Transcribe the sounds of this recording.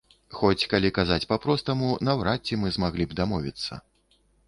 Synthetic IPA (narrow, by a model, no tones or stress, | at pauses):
xɔt͡sʲkalʲikazat͡sʲpapɾɔst̪ɐmunɐwɾat͡sʲːimɨzmaɣlʲibd̪amɔvʲḭt̪sːɐ̰